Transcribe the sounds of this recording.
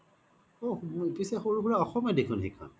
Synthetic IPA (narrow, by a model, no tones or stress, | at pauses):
opisɛxoɹuɡuɹaɔxɔmjɔdekʰunɦḭkʰɔ̰n